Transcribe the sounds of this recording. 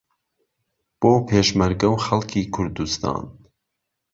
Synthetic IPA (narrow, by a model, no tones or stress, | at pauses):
b̥oːpʰeːʃmɐɾɡɐwxɐlˠkʰiːkʰʊɾd̪ust̪ʰɑ̰ːn